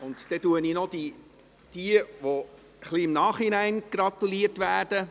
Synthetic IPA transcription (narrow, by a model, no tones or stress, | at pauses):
ʊntd̥̪ɛtuəninɔd̥i | d̥iəʋo | əχliɪmnɑːχinæɪnɡ̥ɾɑt̪uliəɾtʋæːd̥ə